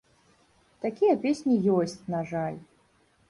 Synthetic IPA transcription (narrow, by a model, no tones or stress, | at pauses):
t̪akʲijɐpʲesʲnʲijɔsʲt͡sʲnaʐalʲ